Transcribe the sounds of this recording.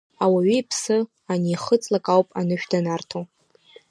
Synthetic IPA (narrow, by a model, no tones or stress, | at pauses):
awaɥiipʰsɨ | aniːχət͡sʼlakʼawpʼa̰nɨʃᶣdanartʰo